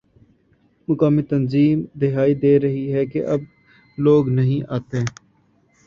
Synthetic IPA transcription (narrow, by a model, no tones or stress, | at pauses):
mʊkaːmiːt̪ənziːmd̪ɪɦaːid̪eːɾəɦiɦɛːkeʔəb | loːɡnəɦĩːʔaːt̪eː